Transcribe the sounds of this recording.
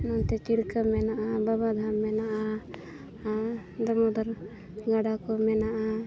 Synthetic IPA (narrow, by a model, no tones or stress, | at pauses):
nɔnt̪ɛt͡ʃiɽkamɛnaʔababad̪ʱamːɛnaʔa | d̪amɔd̪ɔɾ | ɡaɖakɔmɛnaʔa